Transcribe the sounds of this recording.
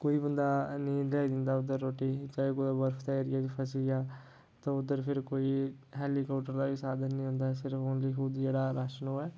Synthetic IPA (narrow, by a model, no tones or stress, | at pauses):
koːiːbənd̪aːnĩːlɛːid̪ɪnd̪aːʊd̪əɾːoːʈiːt͡ʃaːekod̪abəɾfʰt̪aeːɾɪjaːd̪iːpʰəsijaː | t̪ãːʊd̪əɾpʰɪɾkoːi | ɦɛːlikɔːpʈːəɾd̪aːbiːsaːd̪ənːĩːɦʊ̃nd̪aːɛsɪɾəonliːxʊd̪d͡ʒeːɽaːɾaːʃənɦoːɛː